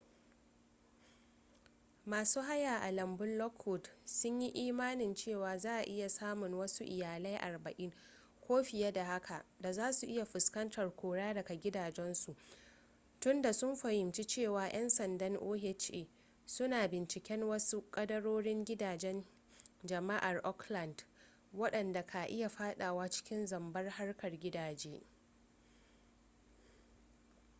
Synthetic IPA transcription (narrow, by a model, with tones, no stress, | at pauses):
maː˨suː˦ɦa˦jaː˨ʔa˨lɐ˨mbʊ˦nlɔ˦khʊ˨dsʊ˦ɲji˦ʔiː˦maː˦nɪ˨nt͡ʃeː˦˨waː˨zaː˦ʔa˨ʔɪ˦ja˨saː˦mʊ˨ŋwɐ˦su˦ʔɪ˨jaː˨lɐ˦jʔa̰˨rbɐ˨ʔɪ˦ŋ | kʷʰoː˦ɸɪ˨ja˦da˨ha˦kʰa˨ʔda˨zaː˦su˨ʔɪ˦ja˨ɸʊ˨skɐ˦ntʰɐ˨rkʷoː˨ɽaː˦dɐ˨ka˨ɡʲɪ˦daː˨d͡ʒɛ˦nsu˨ʔ | tʊ˦nda˨sʊ˦mɸɐ˨jɪ˨mt͡ʃi˦t͡ʃeː˦˨waː˨j̰ʔɛ˦nsɐ˨ndɐ˦ŋʔoː˦ɦe˦t͡ʃʔeː˨ | sʊ˦naː˨bɪ˨nt͡ʃɪ˨kʲɛ˦nwɐ˦su˦kʼɐ˦dɐ˦ɽoː˦ɽɪ˦ŋɡʲɪ˦daː˨d͡ʒɛ˦n | d͡ʒɐ˨ma˦ʔa˨rʔɔ˦klɐ˨nd | wɐ˦ɗɐ˨nda˨kʰa˨ʔɪ˦ja˨ɸaː˦ɗa˨waː˦t͡ʃɪ̥˦kʲɪ˦nzɐ˨mbɐ˦rha˦rkɐ˨rɡʲɪ˦daː˨d͡ʒeː˦